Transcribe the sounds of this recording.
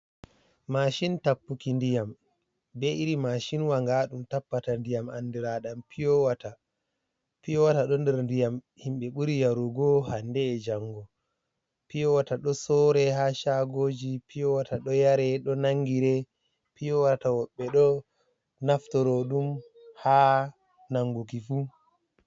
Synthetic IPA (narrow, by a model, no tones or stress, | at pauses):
maʃintapːukindijam | bɛiɾimaʃinwaŋɡaɗumtapːatandijamanːdɛɾaɗampʰijɔwata | pijɔwataɗɔndɛɾndijam | himɓɛɓuɾijaɾuɡɔhandɛːd͡ʒaŋɡɔ | pijɔwataɗɔsɔɾɛɦaʃaɡoːd͡ʒipʰijɔwataɗɔjaɾɛɗɔnaŋɡiɾɛ | pijɔwatawɔɓːɛɗɔ | naftɔɾɔɗum | ha | naŋːɡukifu